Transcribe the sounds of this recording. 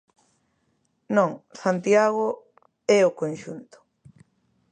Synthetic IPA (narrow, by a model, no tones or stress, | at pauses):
nõŋsant̪jaɣo | ɛokonʃunt̪ʊ̥